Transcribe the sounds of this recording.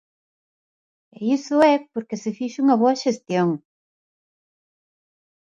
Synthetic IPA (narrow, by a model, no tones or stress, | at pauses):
eisʊɛpoɾkɪsɪfiʃuŋɐβoɐʃest̪joŋ